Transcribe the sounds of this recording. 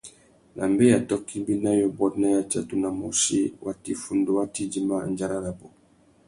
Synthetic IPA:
nʔa˨mbe˦ja˨tɔ˦ki˦bi˦na˦jo˨bɔ˦tna˦ja˨t͡ʃa˦tu˦na˨mo˨ʃi˦wa˦ti˨fu˨ndo˦wa˦ti˦di˦ma˦˨nd͡ʒa˦ɾa˦la˨bɔ˨

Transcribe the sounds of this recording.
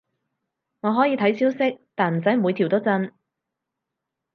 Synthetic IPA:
ŋɔː˨˧ɦɔː˨˥jiː˨˧t̪ʰɐ˨˥jsiː˥wsɪ˥k̚t̪aː˨nm̩˨˩t͡sɐ˨˥jmu˨˧t̪ʰi˨˩t̪o˥wt͡sɐ˧n

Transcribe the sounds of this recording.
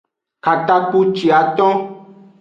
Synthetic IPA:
ka˨t̪a˦k͡pu˦t͡ʃi˨a˨t̪ɔ̃˦

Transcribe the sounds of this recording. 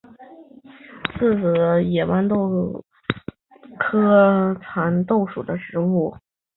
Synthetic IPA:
t͡sʰɹ̩˥˩t͡sɹ̩˨˩jɛ˨˩wa˧˥nt̪o˥˧ʊ | kʰɤ˥t͡sʰa˧˥nt̪o˥˩ʊʂṵ˨˩d̪ə˦ʂɻ̩˧˥u˥˩

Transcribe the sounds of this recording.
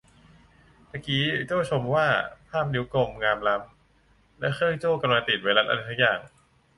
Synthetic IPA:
na˧˥˩kiː˦˥t͡ɕoː˥˩t͡ɕʰo˧mwaː˥˩pʰaː˥˩m̚ni˦˥wko˧mŋaː˧mla˦˥m | lɛ˦˥xʰɤː˥˩jt͡ɕoː˥˩ka˧mlaː˧t̪i˨˩waː˧la˦˥t̪ʔa̰˧a˧sʰa˦˥kjaː˨˩ŋ

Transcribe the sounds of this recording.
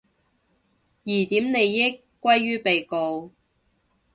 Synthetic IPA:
jiː˨˩t̪iː˨˥mne˨˧jːɪ˥kʷːwɐ˥jːyː˥pe˨jko˨˧w

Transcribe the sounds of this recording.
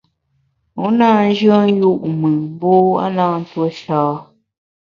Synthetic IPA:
u˦naː˦˨n̩˦d͡ʒə˦n˦ju˦˨ʔmɨ˨bo˦a̰˦naː˦n˦two˦ʃaː˦

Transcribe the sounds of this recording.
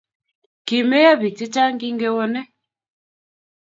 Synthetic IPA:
ki˨me˦ja˦βi˨ti˦t͡ʃa˦ŋɡi˦ŋɡe˦wɔ˦nɛ˦

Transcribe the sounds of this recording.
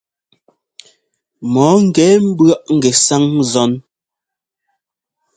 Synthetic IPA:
mɔː˨˦ŋ̩˨ɡɛ˨˦m̩˦bɰa˦ʔŋ̩˦ɡɛ˨sa˦ŋzɔ˨˦n

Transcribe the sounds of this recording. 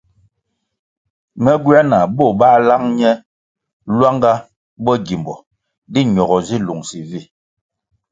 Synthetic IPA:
mɛ˦ɡwa˦na˨bɔ˦˨ba˦la˦ŋɲɛ˦ | lwa˦ŋɡa˦ | bɔ˦ɡi˨mbɔ˨ | di˦ɲ˨ɔ˨ɣɔ˨zi˦lu˨ŋsi˨vi˦˨

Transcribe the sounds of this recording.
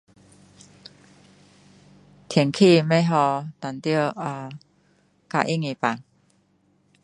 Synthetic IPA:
t̪ʰjɛ˨˩˨ŋkʰi˥˨mẽ˦ɦɔ˧t̪a˨˩nt̪ji˥˧a˧˩ | ka̰˧˨ʔi˦˩ŋi˧˨pa˨ŋ

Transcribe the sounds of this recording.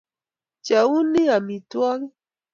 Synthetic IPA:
t͡ʃa˨u˦ni˦a˨mi˨twa˦ɣi˦

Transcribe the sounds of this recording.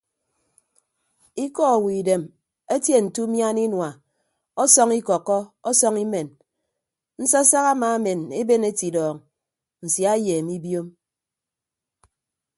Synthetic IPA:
i˦kɔ˦a˨wi˨de˨m | e˦tje˦n̩˨tu˦mja˦ni˦nwa˨ | ɔ˦sɔ˦ŋi˦kɔ˨kːɔ˦ɔ˦sɔ˦ŋi˦me˨n | n̩˦sɔ˦sa˦ɣa˦ma˨˦me˨ne˦be˦ne˦ti˨dɔː˨ŋ | n̩˨sja˦jeː˨mi˦bjo˦m

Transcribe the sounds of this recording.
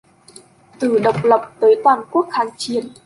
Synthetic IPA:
t̪ɨ˧˩ɗə˨˩wk͡p̚lə˨˩wp̚t̪əː˨˦jt̪waː˨˩nku˦˥ək̚xaː˨˦ŋt͡ɕi˨˧˨ən

